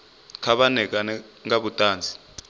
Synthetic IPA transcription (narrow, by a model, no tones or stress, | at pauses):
kʰaɓanɛk̬anɛŋaɓutʼaːnd͡zʱi̥